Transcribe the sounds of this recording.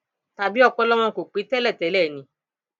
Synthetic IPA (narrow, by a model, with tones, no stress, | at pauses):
ta˨bi˦ɔ˦˧k͡pɔ˧˦lɔ˦w̃ɔ̃˧˨ko˨k͡pe˨˦tɛ˦lɛ˦˨tɛ˨˦lɛ˦˨nĩ˨˦